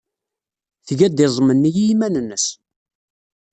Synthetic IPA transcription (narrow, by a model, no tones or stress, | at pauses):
θʝæd̪ezˤmənːijimænənːəs